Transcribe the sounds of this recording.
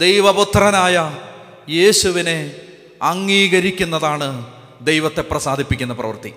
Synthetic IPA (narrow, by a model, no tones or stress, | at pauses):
d̪ejʋɐbut̪ːrɐnaːjɐ | je̞ːɕuʋine̞ | ɐŋːiːɣɐɾikʲːunːɐðaːɳɨ | d̪ejʋɐt̪ːe̞prɐsaːd̪ʱipːikʲːunːɐprɐ̰ʋɐrt̪i